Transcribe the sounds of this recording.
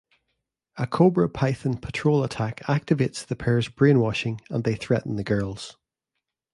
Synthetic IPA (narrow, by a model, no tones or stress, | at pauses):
əkʰobɹəpʰaɪθə̃npʰə̥tʰɹ̥olˠətʰakʰak̚tɪvetsðəpʰɛɹzbɹẽnwɔʃɪ̃ŋə̰̃nðeθɹɛʔn̩ðəɡɜ˞lˠz̥